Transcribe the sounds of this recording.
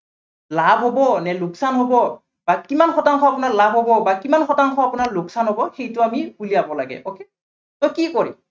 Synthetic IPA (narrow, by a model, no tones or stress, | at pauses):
labʱɦobɔnɛluksanɦobɔ | bakimanxɔtaŋkʰɔapʊnaɹlabʱɦobɔbakimanxɔtaŋkʰɔapʊnaɹlʊksanɦobɔxejtʊamiuliabɔla̰ɡɛ̰ʔoke | tɔjkikɔɹḭ